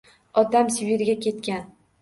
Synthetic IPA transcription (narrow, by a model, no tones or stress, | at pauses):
ɒd̪amsɪbiɾɡʲakʲe̞t̪̚kʲan